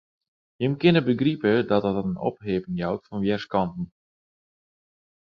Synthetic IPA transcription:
jəmkɪnəbəɡripədɔtətətənɔ̰pɦeːpɪŋjawtfɔnʋjɛrskɑntn̩

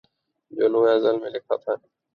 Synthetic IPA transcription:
d͡ʒoːlũːẽəzəlmẽlekʰa̰ːt̪ʰaːn

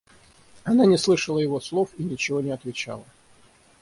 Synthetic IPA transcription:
ɐnanʲɪslˠɨʂəlˠəjɪvo̞slˠo̞finʲɪt͡ɕɪvo̞nʲɪɐt̪vʲɪt͡ɕa̰lˠə

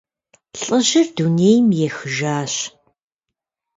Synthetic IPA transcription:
ɬʼəʒɪrduneːjmjɛxɨʒaːɕ

